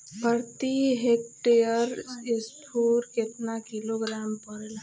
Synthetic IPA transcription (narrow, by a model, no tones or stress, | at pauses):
bʱəɾt̪iɦek̚ʈejəɾisʈʰuːɾket̪nakiloɡɾampəɾla